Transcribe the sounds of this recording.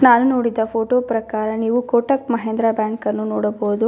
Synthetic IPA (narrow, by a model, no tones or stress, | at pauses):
naːnunoːɽid̪ɐpʰoːʈoːpɾɐkaːɾɐniːʋukoːʈɐkmɐɦeːnd̪ɾɐbjaːŋkɐnːunoːɽɐboɦud̪u